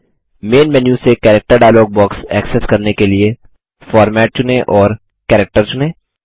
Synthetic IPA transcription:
meːnʋɛnjũsekɛːɾɛk̚ʈəɾɖaːɪloːɡ̚bɔːksɛːkseskɐɾnekelie | fɔːɾmɛːʈ̚t͡ʃʊnẽʔɔːɾ | kɛːɾɛk̚ʈəɾt͡ʃʊnẽː

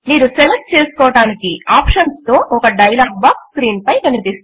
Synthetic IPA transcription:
niːɾuselek̚ʈ̚t͡ʃe̞ːsu̥kɔːɐɽaːnikiaːpʃɐnst̪o̞ːʔɔkɐɖɐjlaːɡ̚baːkskɾiːnpɐjkɐnipist̪

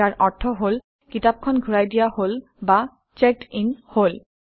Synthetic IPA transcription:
aɹʔɔɹtʰːɔɦol | kitap̚kʰɔnɡʱuɹajdijahol | ba | t͡ʃek̚ʈinhol

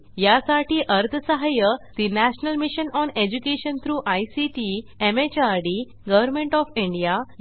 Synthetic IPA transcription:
jasaʈʰiːʔəɾt̪ʰəsəɦajəd̪inæɕnəlmiɕənɔned͡ʑukeɕənt̪ʰɾuːʔajsiʈiemet͡ɕaɾɖi | ɡəʋəɾmẽɳʈɔfĩɳɖijaj

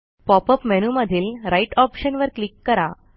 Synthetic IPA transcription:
pɔpəpmɛnuməd̪ʱiːlɾaiʈɔpɕənʋəɾklikːəɾa

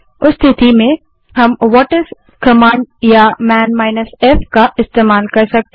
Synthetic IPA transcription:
ʊst̪ʰɪt̪imẽ | ɦɐmʋɔːʈəɾs | kɐmãːnɖjamɛ̃ːnmaːɪnəseːfkaɪst̪eːmaːlkɐɾsɐk̚t̪

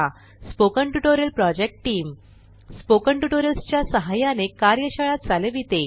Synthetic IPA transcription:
a | spokəɳʈuʈoɾəlpɾɔd͡ʑek̚ʈʈiːm | spokəɳʈuʈoɾəlst͡ɕjasəɦajanekaɾjəɕəɭat̪̚d͡zaleʋit̪e

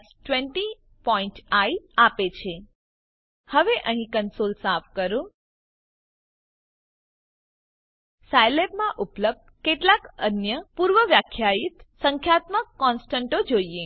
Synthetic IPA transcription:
sʈʋeɳʈi | pɔĩɳʈaiapet͡ʃʰe | həʋeʔəɦĩkənsolsafkəɾũ | sajlebmãʔupləb̚d̪̚keʈlakənjəpuɾʋəʋjakʰjait̪səŋkʰjat̪məkːɔnsʈəɳʈod͡ʒoie

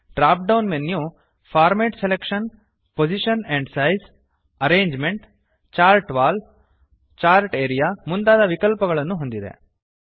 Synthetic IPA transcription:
ɖɾaːp̚ɖɐwnmenːju | pʰaːɾmeːʈselekʂɐn | pod͡ʒiʃɐneɳɖsɐjs | ɐɾeːɲd͡ʒmeɳʈ | t͡ʃaːɾʈʋaːl | t͡ʃaːɾʈeːɾijamund̪aːd̪ɐʋikɐlpɐɡɐɭɐnːuɦond̪id̪ḛ

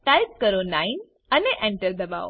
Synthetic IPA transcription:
ʈajp̚kəɾonain | əneʔɛ̃ɳʈəɾd̪əba̰o

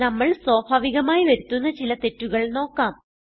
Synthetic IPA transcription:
nɐmːɐɭswoːbʱaːʋiɣɐmaːjiʋɐɾut̪ːunːɐt͡ɕilɐt̪e̞tːuɣɐɭno̞ːkːaːm

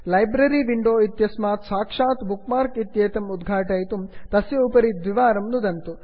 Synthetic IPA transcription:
lɐjbɾɐɾiʋiɳɖoːit̪jɐsmaːt̪saːkʂaːt̪bukmaːɾkit̪jeːt̪ɐmud̪ɡʱaːʈɐːjt̪umt̪ɐsjɐupɐɾid̪ʋiʋaːɾɐmnud̪ɐnt̪u

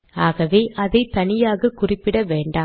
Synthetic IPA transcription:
aːɣɐʋeːʔʔɐðɐɪt̪ɐnɪjaːɣɐkʊrɪpːɪɽɐʋeːɳɖaː

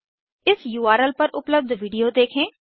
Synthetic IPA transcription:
ɪsjuːaːɾəlpɐɾʊpləb̚d̪ʋiːɖijoːd̪eːkʰẽː

